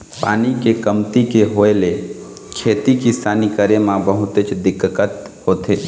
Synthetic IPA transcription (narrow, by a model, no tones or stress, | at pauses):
pa̰ːnikekəmt̪ikeɦoːele | kʰeːt̪ikisaːnikəɾemãbəɦʊt̪et͡ʃd̪ɪkkːət̪ | hoːt̪eː